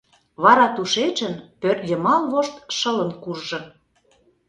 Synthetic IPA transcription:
βɑɾɑt̪uʃet͡ʃə̆npørjə̆mɑlβoʃt̪ʃə̆lə̆nkuʒʒɤ̆

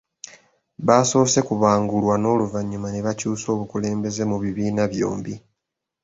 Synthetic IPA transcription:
βaːso̞se̞kuβaːŋɡulwano̞ːluvaɲːumaneβacuːso̞ːβukule̞ːmbe̞ze̞muβiβiːnaβjo̞̰ːmbi

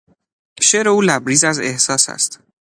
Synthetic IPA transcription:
ʃeːɾe̞uːlæbɾiːzæze̞̰hsɒːsæ̰st̪

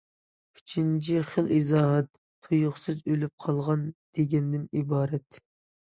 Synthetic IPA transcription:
kʰit͡ʃʰint͡ʃʰiχəlˠʔizɑːɦɛt̪ːʰujʊχsɨzølyp̚qʰɑlˠʁɑnd̪̥eɡʲɛnd̪ɪnibɑːɾɛt̪

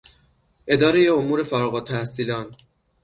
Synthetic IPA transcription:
ʔe̞d̪ɒːɾejeomuːɾe̞fæɾɒɣɒt̪ʰːæhsiːlɒːn

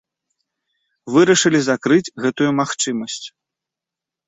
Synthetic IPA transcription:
vɨɾɐʂɨlʲizakɾɨt͡sʲɣɛt̪ujumaxt͡ʂɨmɐsʲt͡sʲ

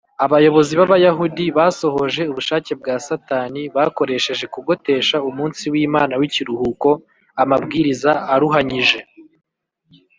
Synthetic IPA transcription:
aβajo̞βo̞ziβaβajaɦudiβaːso̞ɦo̞ʒe̞uβuʃaːce̞b̚ɡaːsataːniβako̞ɾe̞ʃe̞ʒe̞kuɡo̞te̞ːʃaumuːnsiwiːmaːnawiciɾuhuko̞ | amabɡiːɾizaːɾuɦaɲiʒe̞

